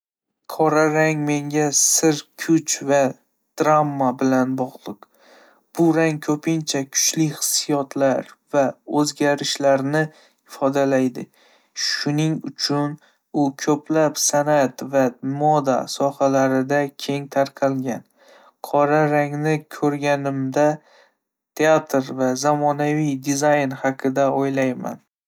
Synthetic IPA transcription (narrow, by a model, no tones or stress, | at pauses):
qʰɒɾaɾaŋme̞ŋɡʲasɪɾkʰʊt͡ʃva | d̪̥ɾamːabɪlanbɒʁlˠɨq | b̥ʊɾaŋkʰɵpʰɪnt͡ʃʰakʰʊ̥t͡ʃlɪχɨ̥sːijɒt̪ʰlaɾvaɵzɡʲaɾɪʃlaɾnɪ | ɪfɒd̪alajd̪ɪ | ʃʊnɪŋʊt͡ʃʰʊn | ʊkʲʰɵpʰlapsanat̪vamɒd̪a̰sɒhalaɾɪd̪akʲʰe̞ŋt̪ʰaɾqʰɑlɡʲan | qʰɒɾaɾaŋnɪkʲʰɵɾɡʲanɪmd̪a | t̪ʰeat̪ʰɾvazamɒnavijd̪ɪzajnhɑqʰɨd̪aojlajma̰n